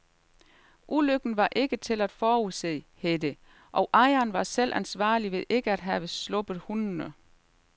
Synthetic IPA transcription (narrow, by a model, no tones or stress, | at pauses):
ʔuløɡ̥n̩ʋɑ̈ʔe̝ɡ̥ət͡sʰe̝læd̥fɒːuse̝̰ːhed̥ə | ʔɒ̽ʊʔɑ̈ɪɐnʋɑ̈sel̰ʔænsʋɑ̰̈ːliʋe̝ðˠʔe̝ɡ̥əæd̥ɦæʋəslɔ̽b̥ðˠhunnə